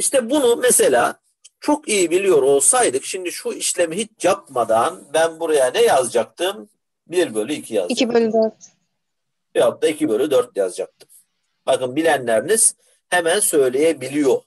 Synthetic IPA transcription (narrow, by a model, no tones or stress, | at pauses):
iʃt̪ʰɛbunumese̞lʲaː | t͡ʃʰo̞kijibilʲijo̞ɾo̞lˠsajd̪ɯkʃimd̪iʃuiʃlʲemiɦit͡ʃʰjap̚mad̪anbænbuɾajanɛjazd͡ʒak̚t̪ʰɯm | biɾbø̞lʲyicʰija̰zibølʲyd̪øɾt̪ | ɛat̪̚ːaicʰibølʲyd̪øɾt̪̚ɛja̰zd͡ʒak̚t̪ʰɯ̥m | bakɯnbilʲænlʲæɾiniz̥ | hemænsø̞jlʲe̞jebilʲijo̞